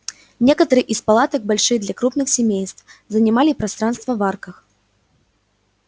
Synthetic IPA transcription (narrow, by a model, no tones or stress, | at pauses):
nʲɛkɐt̪ɐɾɨʔispalˠat̪ɐɡ̚balʲʂɨd̪lʲɐkɾupnɨxsʲamʲejst̪wzɐnʲamalʲipɾast̪ɾan̪st̪vɐvarkɐx